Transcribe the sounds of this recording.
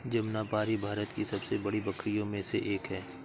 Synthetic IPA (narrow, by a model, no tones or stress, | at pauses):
d͡ʒɐmnapaːɾibʱaːɾət̪kisɐbsebɐɽibɐkʰɾijõmẽseʔeːkɦɛː